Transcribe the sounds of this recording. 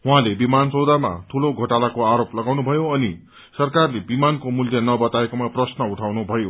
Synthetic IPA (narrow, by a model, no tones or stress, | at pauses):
ɦuɦãlebimant͡sʌwd̪ama̰t̪ʰuloɡʱʌʈalakoaɾoplʌɡawnubʱʌjoʌni | sʌrkarlebimankomuljʌnʌbʌt̪aekomaprʌsnʌuʈʰawnubʱʌjo